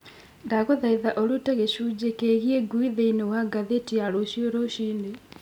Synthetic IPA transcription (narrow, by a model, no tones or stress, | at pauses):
ndaɣoðaiðaʔoɾutɛɣeɕuːd͡ʑekeɣieɡuiðeinewaɡaðetiaɾoɕioɾooɕiːnde